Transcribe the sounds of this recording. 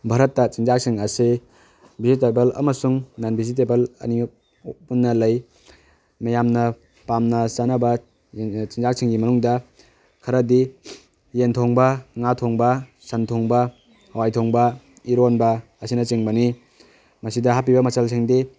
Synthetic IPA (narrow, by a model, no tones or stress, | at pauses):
bʱaɾɐtːɐt͡ʃiŋzak̚siŋɐse | bizitebelɐ̰mɐsuŋnanbizit̬ebelɐ̰ni | punːɐlɐj | mɐjamnɐ | pamnɐsanɐbɐ | t͡ʃiŋzak̚siŋɡimɐnuŋdɐ | kʰɐɾɐdi | jentʰoŋbɐŋatʰoŋbɐ | sɐntʰoŋbɐ | hɐwajtʰoŋbɐ | iɾonbɐ | ɐsinɐt͡ʃiŋbɐni | mɐsidɐɦapibɐmɐt͡ʃɐlsiŋdi